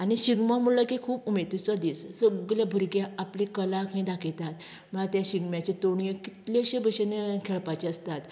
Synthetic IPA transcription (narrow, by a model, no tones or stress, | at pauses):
añiɕiɡmãmulakikʰuːpumet̪it͡sad̪issəɡljabʱəɾɡjaaplikəlakʰẽd̪akʰet̪at̪ | məɭat̪jaɕiɡmjat͡ɕet̪oɳjəkit̪leɕebəɕenekʰeɭpat͡ɕeəst̪at̪